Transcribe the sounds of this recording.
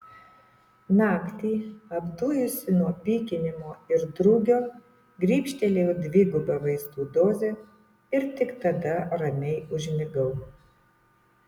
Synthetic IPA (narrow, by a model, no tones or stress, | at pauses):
nɑːkt̪ʲiːɐbd̪uːjʊsʲɪnuɔpʲiːkʲɪnʲɪmoːɪɾd̪ɾʊɡʲoː | ɡɾʲiːpʲʃʲt̪ʲɛlʲejɛd̪ʲʋʲɪːɡʊbɐʋɐɪst̪uːd̪oːzʲɛ | ɪɾt̪ʲɪkt̪ɐd̪ɐɾɐmʲɛɪʊʒʲmʲɪɡɐʊ